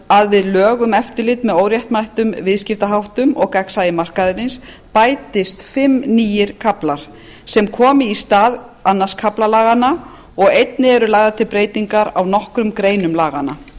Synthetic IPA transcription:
aðvɪðlœːɣʏmɛft̪ɪlɪt̪mɛðoːwɾjaht̪majht̪ʏmvɪðscɪft̪aɦawht̪ʏmɔ̰ɣkaksajɪmar̥kaðɪɾɪns | pajt̪ɪst̪fɪmniːjɪɾ̥kʰaplaɾ̥ | sɛmkʰɔːmɪist̪aːð | anːaskʰaplalaːɣana | ɔɣejt̪nɪɛɾʏlaːɣðat̪ʰɪlpɾeːjt̪iŋkaɾa̰wnɔhkɾʏmkɾeːjnʏmlaːɣana

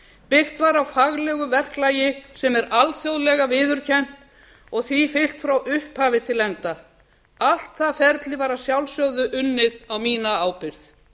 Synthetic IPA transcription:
pɪxt̪vaɾawfaɣlɛːɣʏvɛr̥klaːjɪsɛmɛɾalθjowðlɛɣavɪːðʏɾ̥cʰɛn̥t̪ | ɔɣθvifɪl̥t̪fɾawʔʏhphaːvɪt̪ʰɪlɛnt̪a | al̥t̪θaðfɛɾt̪lɪvaːɾasjawlsœɣðʏʔʏnːɪðawmiːnaaːwpɪɾ̥θ

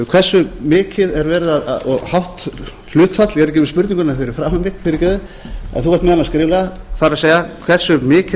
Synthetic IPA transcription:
kʰvɛr̥sːʏmɪːcɪðɛɾvɛːɾɪðaða̰ɔ̰ɣhawht̪ | l̥ʏːt̪fat̪l̥jɛhɛɾcɪːvɪspʏɾt̪niŋkʏnːafɪɾɪɾ̥fɾaːmɪmɪknfɪɾɪɾcɛðʏ | ɛ̰nθuvɛl̥t̪mɛðanaskɾɪːvlɛɣaθaɾaseːjɣakʰv̥ɛr̥sːʏmɪːcɪ

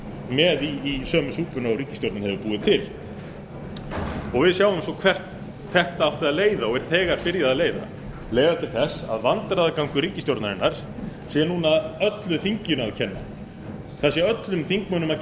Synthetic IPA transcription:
mɛðiːsœːmʏsuːpʏnaɔɾiːcɪst̪joɾt̪nɪnɦɛvʏpuːðɪt̪ʰɪl | ɔɣvɪðsjaːwʏmsɔkʰvɛr̥t̪ | θɛht̪aawht̪ɪðaleːjðaɔɣɛɾ̥θɛːɣaɾ̥pɪɾjaðaðleːjða̰ | leːjðat̪ʰɪlθɛsa̰ðvant̪ɾaðakawŋkʏɾiːcɪsjoɾt̪naɾɪnːaɾ̥ | sjɛnuːnaœt̪lʏθiɲcʏnaðcʰɛnːa̰ | θasjɛœt̪lʏmθiŋkmœːnʏmað

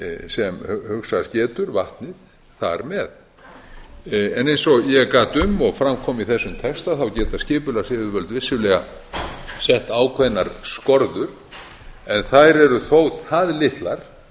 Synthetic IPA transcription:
sɛmhhʏxsascɛːt̪ʏɾvaht̪nɪð | θa̰ɾmɛð | ɛnejnsɔɣjɛɣkaːt̪ʏmːɔɣfɾamkʰɔːmiθɛsːʏmt̪ʰɛst̪aθawcɛːt̪ḁscɪːpʏlasɛːvʏvœlt̪vɪsːʏlɛːɣa | sɛht̪aːwkʰvɛnːaɾ̥skɔɾðʏɾ̥ | ɛnθajɾɛɾʏθowθaðlɪht̪laɾ̥

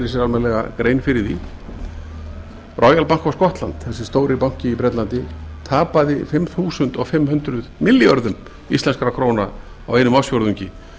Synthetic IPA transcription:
ɾɪsjɛɾalmɛnlɛɣa̰kɾejnfɪɾɪði | rɔːjalpawŋ̥kvɔskɔht̪lant̪θɛsːɪst̪oːwɾɪpawɲ̥cɪipɾɛt̪lant̪ɪt̪ʰaːpaðɪfɪmːθuːsʏnt̪ɔɣfɪmhʏnt̪ɾʏðmɪlːjœɾðʏm | ist̪ɛnskɾakʰɾoːwna | a̰whejnʏmawsçowɾðʏɲcɪ

